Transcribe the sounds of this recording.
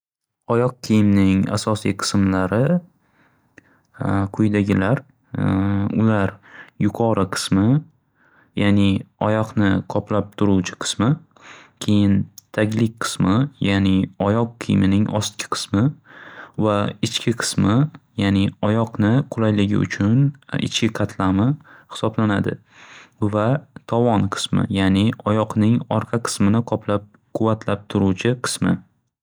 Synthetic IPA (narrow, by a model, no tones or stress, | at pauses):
ɒjɒq̚kʲʰijɪmnɪŋa̰sɒsijqʰɨ̥smlaɾɪ | qʰʊjd̪aɡʲɪlaɾ | ʊ̰laɾjʊqʰɒɾɨqʰɨ̥smɪ | janɪɒjɒqnɪqʰɒplap̚t̪ʰʊɾuwt͡ʃʰɪ̥qʰɨ̥smɪ | kʲʰe̞jɪnt̪ʰakʲlɪk̚ʲqʰɨ̥smɪjanɪɒjɒqʰːḭjmɪnɪŋɒ̰st̪̚kʲʰɪ̥qʰɨ̥smɪ | vaɪt͡ʃkʲʰɪqʰɨ̥smɪjanɪɒjɒqnɪqʰʊlˠajlɪɡʲɪ̰ʊ̰t͡ʃʰʊnɪ̰t͡ʃkʲɪqʰɑt̪ʰlamɪhɪ̥sɒblanad̪ɪ̰ | vat̪ʰɒvɒnqʰɨ̥smɪ̰janɪɒjɒqnɪŋɒɾqʰɑqʰɨ̥smɪnɪqʰɒpʰlap̚ | qʰʊvat̪ʰlap̚t̪ʰʊɾuwt͡ʃʰɪqʰɨ̥smɪ